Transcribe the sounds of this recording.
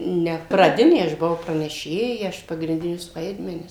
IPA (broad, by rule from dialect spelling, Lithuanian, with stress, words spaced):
ˈnʲɛ prɐˈdʲɪnʲeː ɐʃ bʊˈɐʊ prɐnʲɛˈʃʲeːjɛ ˈɐʃ pɐɡrʲɪnʲˈdʲɪnʲʊs ˈʋɐɪdʲmʲɛnʲɪs